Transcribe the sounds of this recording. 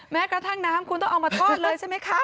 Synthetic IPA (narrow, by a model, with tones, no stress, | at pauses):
mɛː˦˥kɾa˧t̪ʰa˥˩ŋnaː˦˥mkʰu˧nt̪ɔ˥˩ŋʔa˧wmaː˧t̪ʰɔː˥˧˩t̪̚lɤː˧jt͡ɕʰa˥˩jma˦˥jkʰɾa˦˥